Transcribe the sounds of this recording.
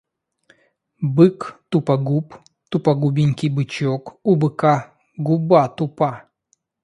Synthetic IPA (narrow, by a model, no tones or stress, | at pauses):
bɨkt̪upɐɡup | t̪upɐɡubʲɪnʲkʲijbɨt͡ɕokubɨka | ɡubat̪upa